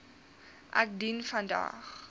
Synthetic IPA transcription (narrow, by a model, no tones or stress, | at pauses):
ʔa̰k̚dinfãnda̰χ